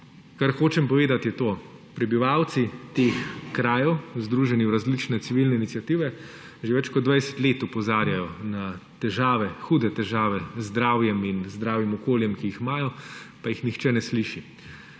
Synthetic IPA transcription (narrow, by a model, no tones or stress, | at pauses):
kaɾxoːt͡ʃɛmpɔʋeːd̪at̪jɛt̪oː | pɾɛbiʋaːwt̪sit̪eːxkɾaːjɛwzd̪ɾuʒɛniwɾazlit͡ʃnɛsiʋilnɛinit̪sjat̪iʋɛ | ʒeʋɛt͡ʃkɔd̪d̪ʋajsɛ̥t̪leːt̪ɔpɔzaːɾjajɔnat̪ɛʒaːʋɛxuːd̪ɛt̪ɛʒaːʋɛzd̪ɾaːwjɛminzd̪ɾaːwjimɔkoːljɛmkiixmaːjɔpajixnixt͡ʃɛnɛsliʃi